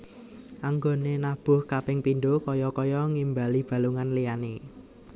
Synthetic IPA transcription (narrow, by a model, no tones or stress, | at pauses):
ʔaŋɡonenab̥ʊ̤hkapɪŋpindokɔjɔkɔjɔŋimbalib̥a̤luŋanlijane